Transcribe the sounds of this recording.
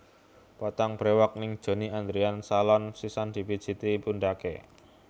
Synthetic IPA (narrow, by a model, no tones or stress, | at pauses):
pɔt̪aŋb̥ɾewak̚nɪŋd̥ʒ̥o̤niand̪ɾiansalɔnsisand̪̥i̤pid̥ʒ̥i̤t̪ipundakḛ